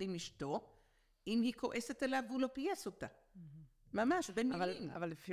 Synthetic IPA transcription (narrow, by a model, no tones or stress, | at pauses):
dimiʃto̞ | imhikʰoʔeset̪elavulo̞pijasot̪a | mamaʃbenvala̰valːefi